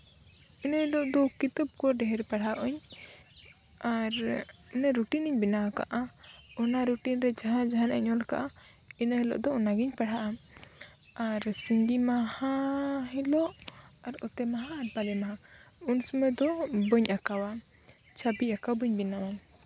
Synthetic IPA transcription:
inəhɛlɔʔd̪ɔkit̪əb̚kɔɖɛɦɛɾpaɽaʔɔɲ | aɾ | nɛɾuʈiniɲbinaaka̰ʔa | ɔnaɾuʈinɾɛd͡ʒaɦãd͡ʒaɦana̰ɲɔlka̰ʔa | inəhɛlɔ̰ʔd̪ɔɔnaɡiɲpaɽɦaʔa | aɾsiɲdimahaɦɛlɔʔaɾɔt̪ɛmaɦaːɾpalɛmaɦa | unsumɛd̪ɔbəɲakawa | t͡ʃʰabiakabəɲbinawa

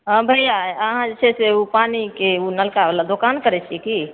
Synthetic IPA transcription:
ɦãbʱəjaəɦãd͡ʒet͡ʃʰɛseupanikeunəlkabelad̪okankəɾɛt͡ʃʰiki

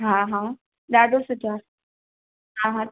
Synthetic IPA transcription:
ɦãɦã | d̪ad̪osuta | ɦãɦã

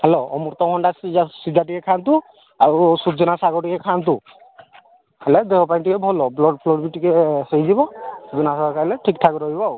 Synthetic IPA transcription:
heloɔmuɾt̪ɔkʰɔɳɖassid̪ʱaʈikekʰant̪u | aɾusud͡ʒɔnasaɡɔʈikekʰant̪u | heled̪eɦɔpajɳʈikebʱɔlɔblɔɖpʰlɔɾbiʈikesejd͡ʒibɔsud͡ʒɔnasabakaileʈʰik̚ʈʰakɔɾɔɦibɔw

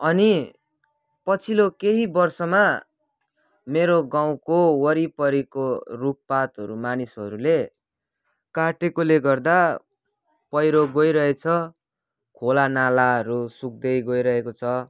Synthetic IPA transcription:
ʌni | pʌt͡sʰilokeɦibʌrsʌma | meɾoɡaw̃kowʌɾipʌɾikoruk̚pat̪ɦʌ̰ɾumanisʌ̰ɾule | kaʈekoleɡʌrd̪a | pʌjɾoɡʌjɾʌɦet͡sʰʌ | kʰolanalaʌɾusuk̚d̪ʌjɡʌjɾʌɦekot͡sʰʌ

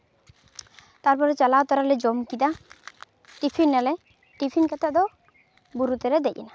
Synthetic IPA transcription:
t̪aɾpɔɾɛt͡ʃalaot̪ɔɾalɛd͡ʒɔmkid̪a | ʈipʰinːalɛ | ʈipʰinkɛt̪ʰad̪ɔ | buɾut̪ɛɾɛd̪ɛc̚ɛna

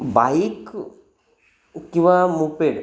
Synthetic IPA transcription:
bajik | kiʋamupeɖ

